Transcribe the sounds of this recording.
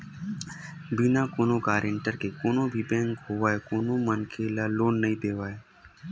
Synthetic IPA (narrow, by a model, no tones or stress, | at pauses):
binãːkoːnõkaːɾʔeɳʈəɾkekoːnõːbʱiːbẽːŋkɦoːʋaːekoːnõːmənkʰeːlaːloːnːəɦĩpeːʋaːeː